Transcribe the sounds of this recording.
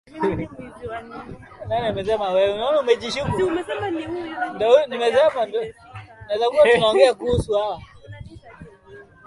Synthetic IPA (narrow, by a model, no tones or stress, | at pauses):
naninimɛs̬ɛmawɛnɔumɛd͡ʒiʃiku | ndanimɛsɛmandnazakuwatunaɔɡɛakusuawa